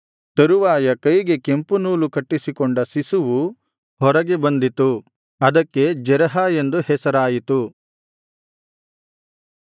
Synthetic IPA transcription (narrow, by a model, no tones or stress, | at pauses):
t̪ɐɾuʋaːjɐkɐjiɡe̞ke̞mpunuːlukɐʈːisikoɳɖɐsisuʋu | hɔɾɐɡebɐnd̪it̪u | ɐd̪ɐkːe̞d͡ʒɛɾɐɦaːje̞nd̪uhɛsɐɾaːjit̪u